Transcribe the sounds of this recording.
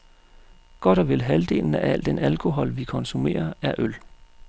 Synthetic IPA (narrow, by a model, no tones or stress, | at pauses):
ɡ̥ɒ̽d̥ɒʋe̝lɦæld̥e̝̰ːln̩æʔæl̰d̥enælkʰo̝ɦɒ̽lʋikʰɒ̽nsume̝̰ːɐæɐʔøl